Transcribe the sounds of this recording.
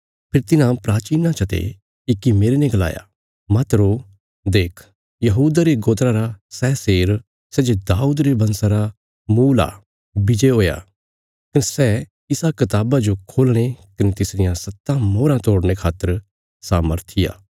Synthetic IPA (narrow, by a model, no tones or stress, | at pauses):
pʰɪɾt̪ɪnãpɾaːt͡ʃiːnãt͡ʃʰɐt̪ḛ | ɪkːimeːɾenɛ̃ɡɐla̰ːja̰ | mɐt̪ɾo | d̪eːkʰ | jɐɦuːd̪aɾeɡoːt̪ɾaɾasɛːseːɾ | sɛːd͡ʒod̪aːuːd̪ɾebɐnsaɾa | muːla̰ | bɪd͡ʒeɦoːja̰ː | kɐnesɛ | ɪsakɐt̪aːbad͡ʒokʰoːlɽ̃ekɐnet̪ɪsɾɪjãsɐt̪ːãmoːɾãt̪oːɽɽ̃ekʰaːt̪ːəɾ | saːməɾt̪ʰɪja̰ː